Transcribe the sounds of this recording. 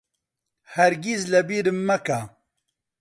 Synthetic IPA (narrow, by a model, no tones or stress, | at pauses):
hɐɾɡizlɐbiːɾɨmːɐka